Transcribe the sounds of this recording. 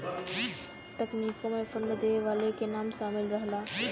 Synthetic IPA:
t̪ɐkniːkõmẽfʊnəd̪eːʋʋaːlekʰenaːmʃaːmɪlɾɐɦlaː

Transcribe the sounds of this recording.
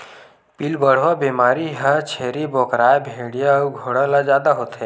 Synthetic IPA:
pilbəɽ̤ʋabeːmaːɾiɦət͡ʃʰeɾiboːkɾaːjbʱeɽijaɡʱoɽalazjaːd̪aɦot̪e

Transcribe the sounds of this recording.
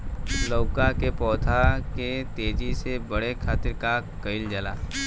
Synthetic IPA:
loːkakepɔːt̪ʰaket̪eːd͡ʒisebəɽekʰaːt̪ɪɾkakəɪld͡ʒəla̰ː

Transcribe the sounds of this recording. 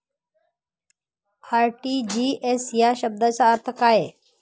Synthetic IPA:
aːɾʈiːd͡ʑiːeːsjaʃəb̚d̪ət͡ɕaəɾt̪ʰəkaːɦeː

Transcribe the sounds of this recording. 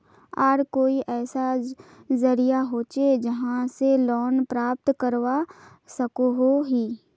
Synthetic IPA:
aːɾkoːiʔɛːsazɐɾijaɦoːt͡ʃed͡ʒɐɦãselɔːnpɾaːp̚t̪kəɾʋa | sɐkoɦoɦiː

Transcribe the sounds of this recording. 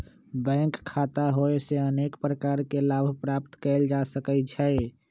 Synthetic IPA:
bɛ̃ŋkkʰːat̪aɦoeseənekpɾəkaɾkelabʱpɾapt̪kəld͡ʒasəkəd͡ʒʰae

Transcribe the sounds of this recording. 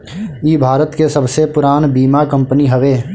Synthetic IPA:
iːbʱaːɾət̪kesɐbsepʊɾaːnbiːmakɐ̃mpəniɦɐʋeː

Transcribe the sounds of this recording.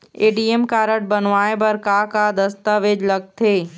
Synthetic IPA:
eːɖiemkaːɾəʈ̚bɐnʋaːebɐɾkakad̪ɐst̪aːʋeːd͡ʒlɐɡ̚t̪ʰeː

